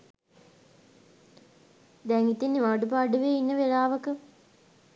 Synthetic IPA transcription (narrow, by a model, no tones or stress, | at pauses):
d̪ɛŋit̪inːiʋaːɖup̬aɖuʋeinːəʋelaːʋəkə